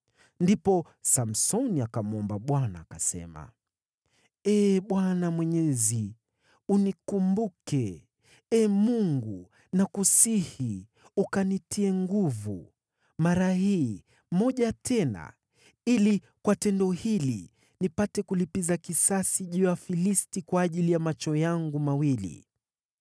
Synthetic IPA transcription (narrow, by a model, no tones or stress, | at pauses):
ndipɔ | sam̩sɔniakamuɔmbaɓwanaːkasɛ̰ma̰ | ɛɓwanamwɛɲɛzi | unikumbukɛ | ɛmuŋɡu | nakusihi | ukanitʰiɛŋɡuvṵ | maɾaɦiː | mɔʄatʰɛna̰ | ili | kwatɛndɔhili | nipatɛkulipizakisasiʄujafilistikwaːʄilijamat͡ʃɔjaŋɡumawilḭ